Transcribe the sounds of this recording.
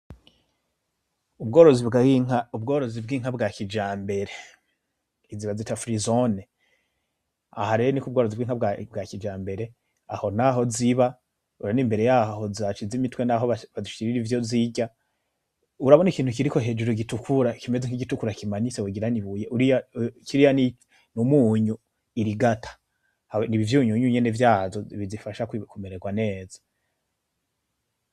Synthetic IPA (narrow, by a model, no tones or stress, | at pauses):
ubɡo̞ːɾo̞zibɡaiŋaub̚ɡo̞ːɾo̞zib̚ɡiːŋ̥habɡakid͡ʒaːmbe̞ɾe̞ | iziβazitafɾizone | a̰haɾenikubɡo̞ːɾo̞zibɡiːŋabbɡakid͡ʒaːmbe̞ɾe̞ | a̰ho̞naɦo̞ziβa | uɾaniːmbe̞ɾe̞jaːho̞ziat͡ʃizimitwe̞naɦo̞βaβazuʃi̥kiɾiɾivjo̞ziɟa | uɾaβo̞nikiːntukiɾiko̞ɦe̞d͡ʒuɾoɡitukʰuɾakime̞zeŋiɡitukuɾakimaɲiseuɡiɾaniβujeʔuɾijakiɾijani | numuːɲu | iɾiɡatʰḁ | haniβivjuːɲuɲuɲenevjaːzo̞iβizifaʃakkumeɾeɡwane̞ːza